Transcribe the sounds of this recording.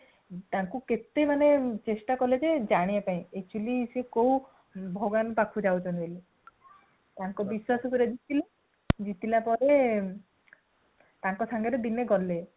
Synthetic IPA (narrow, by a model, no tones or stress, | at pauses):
t̪aŋkuket̪emanet͡ʃesʈakɔled͡ʒed͡ʒaɽ̃iapaĩek̚t͡ʃulisekow | bʱɔɡanpakʰud͡ʒawt͡ʃʰɔnele | t̪aŋkɔbiswasɔpiɾed͡ʒit̪ile | d͡ʒit̪ilapɔɾe | t̪aŋkɔsʰaŋɡeɾed̪ineɡɔle